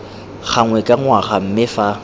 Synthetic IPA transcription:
χʰaŋwɛkʼaŋwaχam̩mɪfa

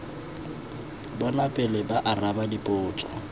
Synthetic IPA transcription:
bɔnapʼɛlɛbaʔarabadipʼʊːt͡sʼɔ̰

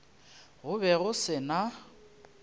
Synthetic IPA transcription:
ɣʊbɛɣʊsɪna

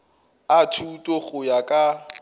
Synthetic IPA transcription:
atʰutʼoɣʊjakʼa

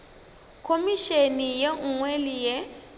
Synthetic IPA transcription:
kʰomiʃenijeŋwelije

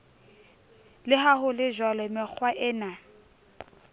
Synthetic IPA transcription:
lɪɦaɦʊlɪʒwalɔmɪk͡xʰwaʔɪːna

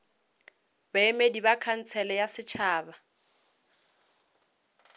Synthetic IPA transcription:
baemedibakʰan̩t͡sʰɛlɛjasɪt͡ʃʰaːba

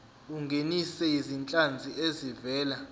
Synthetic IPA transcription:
uŋɡʱenisɛizint͡ɬʼand͡zʱiezivɛːla

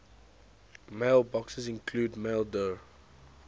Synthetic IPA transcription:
meɪlˠbɔksəzɪ̃nkʰluːdmeɪlˠdə

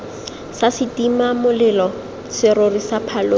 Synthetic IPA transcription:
sasɪtimamʊlɪlɔ | sɪɾorisapʰalo

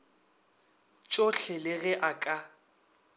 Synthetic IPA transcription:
t͡ʃʼoɬɛlɪɣɛʔakʼa

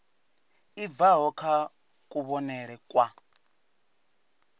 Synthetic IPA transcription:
ivaɦɔkʰa | kʼuβɔnɛɺɛkʼwa

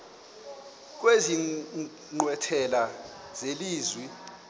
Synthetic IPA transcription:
k̬ʼwezi | ŋ͡ǃwɛtʰɛla | z̥eliːzwi

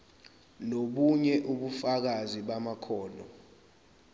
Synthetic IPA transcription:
noɓuɲɛʔuɓufak̬aziɓamakʰɔːlɔ

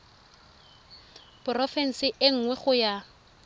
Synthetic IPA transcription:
b̥ʊrɔfɛn̩sɪʔɪŋ̩ŋwɛχʊja

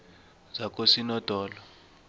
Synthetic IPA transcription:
z̥ak̬ʼosinɔd̥ʱɔːlɔ

